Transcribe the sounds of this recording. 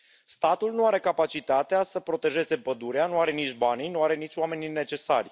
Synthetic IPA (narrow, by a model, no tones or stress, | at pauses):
st̪at̪ulnuaɾe̞kapat͡ʃit̪at̪easəpɾo̞t̪e̞ʒe̞ze̞pəd̪uɾeanuaɾe̞nit͡ʃʲbaninuaɾe̞nit͡ʃʲwame̞nine̞t͡ʃe̞sarʲ